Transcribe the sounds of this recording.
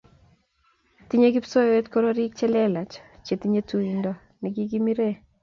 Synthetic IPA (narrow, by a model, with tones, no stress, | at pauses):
t̪i˦ɲe˦ɡi˦pso˦jɔ˦e˦t̪koɾo˦ɾi˦k̚t͡ʃɛ˦lɛ˦la˨t͡ʃt͡ʃe˨t̪i˦ɲe˦tu˦indɔ˨ | nɛɡiɡi˦mi˦ɾe˦